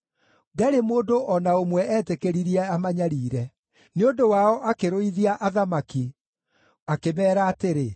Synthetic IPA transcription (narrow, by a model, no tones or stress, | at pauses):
dɛɾemoːdoʔɔnaomwɛʔɛːtekeɾiɾiɛamaɲaɾiːɾɛ | neondowaɔʔakeɾoiðiaʔaðamaki | akemɛːɾaːteɾe